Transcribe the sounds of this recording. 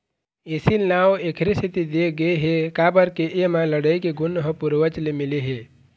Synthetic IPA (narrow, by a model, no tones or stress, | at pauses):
esilnawekʰɾisit̪id̪eɡəeɦekabəɾkeʔemãləɽəjkeɡʊnːɦəpuɾʋət͡ʃlemileɦe